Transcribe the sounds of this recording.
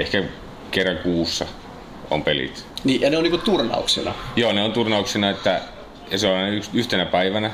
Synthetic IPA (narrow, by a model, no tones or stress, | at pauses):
ehkæ | kerːɑŋkuːsːɑ | o̰mpelḭt̪niːʔjɑneoniːkut̪urnɑ̰uksḭnɑ̰joːneont̪urnɑuksinɑet̪ːæ | seolhɑnɑyksyht̪enæpæiʋænæ